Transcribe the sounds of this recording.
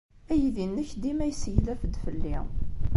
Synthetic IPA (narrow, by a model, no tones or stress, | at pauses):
æjiðinːəçd̪imæjsjlæfəd̪fəlːḭ